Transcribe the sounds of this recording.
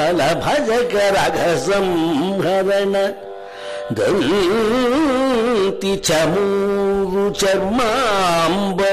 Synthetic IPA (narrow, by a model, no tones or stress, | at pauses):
labʱad͡ʒɐkɐɾaɡʱɐsɐmɡʱɐɾɐnɐ | d̪ɐ̰n | t̪it͡ʃʰɐmuɾut͡ʃɐɾmambɐ